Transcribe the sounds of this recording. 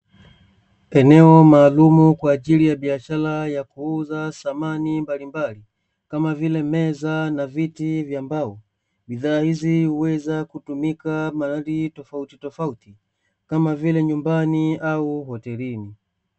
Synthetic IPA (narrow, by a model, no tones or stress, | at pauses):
ɛnɛɔmaːlumukwaːʄilijaɓiaʃalajakuuzasamanimbalimbali | kamavilɛmɛzanavitivjaːmbaɔ | ɓiðaːhizihuwɛzakutumikamalalitɔfautitɔfauti | kamavilɛɲumbaniauhɔtɛlini